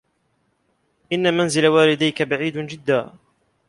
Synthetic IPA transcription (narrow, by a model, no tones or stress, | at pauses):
ʔɪnːamanzɪlawaːlɪd̪ajkabaʕiːd̪nd͡ʒɪd̪ːaː